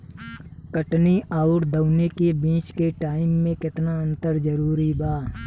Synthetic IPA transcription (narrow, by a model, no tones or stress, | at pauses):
kəʈniʔaːʊʈd̪əʊnekebĩːt͡ʃkeʈaːɪmːẽkɪt̪naə̃nt̪əɾd͡ʒəɾuːɾibaː